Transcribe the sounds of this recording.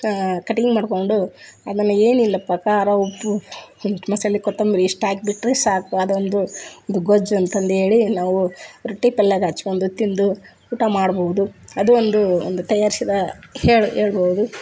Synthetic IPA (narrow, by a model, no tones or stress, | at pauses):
kɐʈiŋɡmaːɖko̞ɳɖuɐd̪ɐnːueːnilːɐpːɐkaːɾɐopːu | mɐsɐlːikɔt̪ːɐmbiɾiːʂʈaːɡ̚biʈːɾesaːkuɐd̪ond̪uond̪uɡod͡ʒuɐnt̪ɐnd̪e̞ːɭinaːʋuɾoʈːipɛlːɐɡaːt͡ʃːkond̪ut̪ind̪u | uːʈamaːɽbowud̪uɐd̪uond̪uo̰nd̪ut̪ɐjaːɾisid̪ɐheːɭɦeːɭbowud̪u